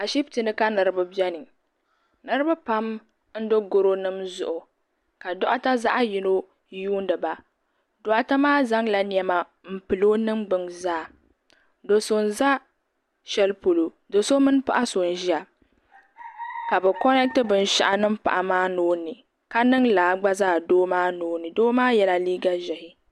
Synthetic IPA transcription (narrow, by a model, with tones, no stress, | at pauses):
a˨ʃi˦btɨ˨nɨ˦ka˦nɨ˨ɾɨ˦bɨ˦bɛ˦nɨ˨ | nɨ˦ɾɨ˦bɨ˦pa˦m | n̩˦do˦ɡʊ˦ɾo˦nɨ˦mzʊ˨ʔʊ˨ | ka˨dɔ˦ʔa˦ta˦za˦ʔa˦ji˨no˦ | juː˦n˦dɨ˨ba˨ | dɔ˨ʔa˦ta˦maː˦za˦ŋla˨n˦˨ɛ˦ma˨ | m̩˨pɨ˨lo˦nɨ˦mɡ͡bɨ˨ŋzaː˦˨ | do˨so˨n˨za˦ | ʃɛ˦lpo˨lo˨ | do˨so˦mɨ˦n˦pa˦ʔa˦so˨n̩˨ʒi˦a˨ | ka˨bɛ˨kɔ˦nɛ˦k̚tɨ˦bɨ˨n˨ʃa̰˦ʔa˨nɨ˦m̩˦pa̰˨ʔa˨maː˦noː˦nɨ˨ | ka˦nɨ˦ŋlaː˨ɡ͡ba˦zaː˦˨doː˦maː˦noː˦nɨ˨doː˦maː˦jɛ˦la˦liː˦ɡa˦ʒɛ˨hɪ˨